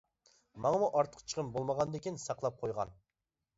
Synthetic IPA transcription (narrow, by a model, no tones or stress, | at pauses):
mɑŋəmuʔɑɾt̪ʰə̥qʰːt͡ʃʰə̥ʁʰəmbolˠməʁɑnd̪ekʲinsɑqlˠɑp̚qʰojʁɑ̰n